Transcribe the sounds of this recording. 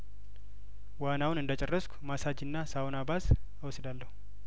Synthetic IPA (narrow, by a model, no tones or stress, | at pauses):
wanawʊnɨnd̪ət͡ʃʼɛrːəskʷmasad͡ʒɪnːasawonabas | awsɨd̪alːəhu